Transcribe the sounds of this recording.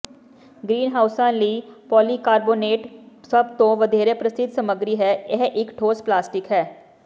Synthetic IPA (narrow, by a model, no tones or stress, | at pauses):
ɡɾiːnɦaːʊsãːnləiːpɔːliːkaːɾboːneːʈsəbt̪õːʋəd̪eːɾeːpɾəsɪt̪səməɡɾiːɦɛːɪɦʔɪkʈʰoːsplaːsʈɪkɦɛː